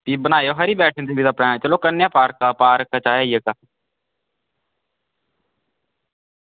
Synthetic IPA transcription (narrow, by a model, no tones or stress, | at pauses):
p̪iːbənaːjoːɦəɾiːbɛːʈʰɪ̃nd̪eːʋiːd̪apɽɛ̃ːt͡ʃəloːkənːjãːpaːɾkaːpaːɾkːaːt͡ʃaːjaːiːəkaː